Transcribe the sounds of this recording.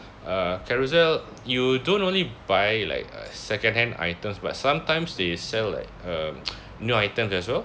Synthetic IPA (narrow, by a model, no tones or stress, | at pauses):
akʰɛɹuzɛl | judõntõnlibajla̰ɪkə̰sɛkə̃ndhɛ̃nda̰jtə̃msba̰t̚sãmtãɪ̃msdesɛlːa̰ɪk̚ə | njuajtə̃msɛswɛl